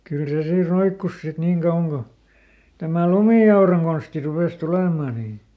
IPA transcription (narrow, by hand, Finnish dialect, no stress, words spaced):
kyl se siː roikːus sit niːŋ kɑuwɑŋ ɡ̊o tæmæ lumiˑɑurɑŋ ɡ̊onsti rupeˑs tuleˑmɑˑ niː